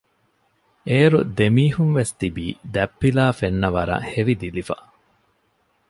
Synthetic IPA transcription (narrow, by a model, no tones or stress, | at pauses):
eːɾud̪emiːhunʋest̪ibiːd̪æpːilaːfenːɐʋɐɾɐ̰heʋid̪ilifɐ